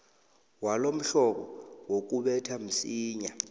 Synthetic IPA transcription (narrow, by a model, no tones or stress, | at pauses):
walom̩ɬɔɓɔwok̬uɓɛtʰam̩siːɲa